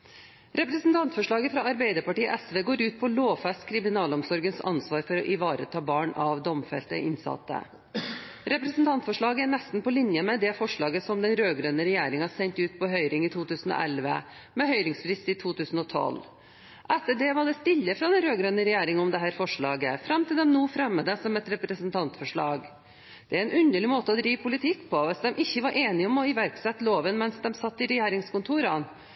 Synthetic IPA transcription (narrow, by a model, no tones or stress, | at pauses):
ɾɛpɾɛəsnt̪ʰɑnt̪fɔʂɭɑːɡəfɾɑɑɾbæɪd̪əɾpɑʈiːə̰ʔɛsʋeːɡoːɾʉːt̪̚pʰɔloːfɛst̪kʰɾɪmɪnɑːlɔmsɔɾɡənsɑ̰nsʋɑːɾfɔɾɔʔɪʋɑːɾə̰t̪ʰɑːbɑːɳɑʋd̪ɔmfɛ̰lt̪ə̰ʔɪnsɑ̰t̪ːə̰ | ɾɛpɾɛsn̩t̪ʰɑnt̪fɔʂɭɑːɡəæɳɛst̪n̩pɔlɪnjəmɛd̪ɛfɔʂɭɑːɡəsɔmd̪ɛnɾøːɡɾønəɾɛjæːɾɪŋhɑsɛɲt̪ʉːt̪pʰɔɦœʏɾɪŋit̪ʰuːt̪ʰʉːsən̩ɔ̰ʔɛlʋə̰ | mɛhœʏɾɪŋsfɾɪst̪ɪt̪ʰuːt̪ʉːsən̩ɔt̪ʰɔ̰l | ʔɛt̪ːəɖɛʋɑɖ̪ɛst̪ɪlːəfɾɑd̪ɛnɾøːɡɾønəɾɛjeːɾɪŋɔmd̪ɛɦæːɾfɔʂɭɑːɡə̰fɾɑmːt̪ɪld̪ɛmnuːfɾɛmːəd̪əsɔmɛt̪ɾɛpɾəsənt̪ʰɑnt̪fɔʂɭɑ̰ːɡ | d̪̥ɛæɾɛnʉnd̪əɭɪmoːt̪əɔd̪ɾiːʋpʰʊlɪt̪ʰɪkːpʰɔʋɛsd̪ɛmʔɪçːəʋɑɾʔeːnɪɔmɔɪʋæɾksɛt̪ːloːʋənmɛnsd̪ɛmsɑt̪ːɪɾɛjeːɾɪŋskʊnt̪ʰuːɾɑn